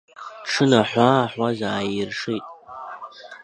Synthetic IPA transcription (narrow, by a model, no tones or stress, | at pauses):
ʈ͡ʂʰɨnaħʷaħʷazaːjɪrʂijtʼ